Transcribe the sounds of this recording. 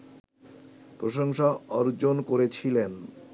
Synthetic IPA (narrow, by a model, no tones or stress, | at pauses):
pɾoʃoŋʃaɔɾd͡ʑonkoɾet͡ɕʰilen